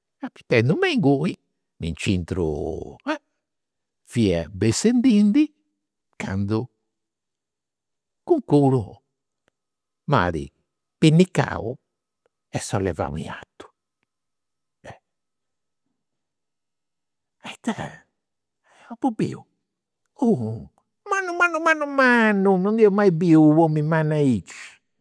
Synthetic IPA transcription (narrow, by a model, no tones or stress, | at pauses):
api̥t̪ːɛnd̪umɛiŋɡui | nint͡ʃint̪ɾṵɛ | fiːɛbesend̪ind̪i | kʰand̪u | kuŋkuɾu | ma̰ːðḭ | pinːikːa̰ːṵ | ɛsɔlɛ̰va̰w̰mḭa̰t̪ːu̥ | ɛ | at̪a | ɔpubḭṵ | u | manːumanːumanːumanːunɔnd̪ɛɔmaibiuomimanːait͡ʃ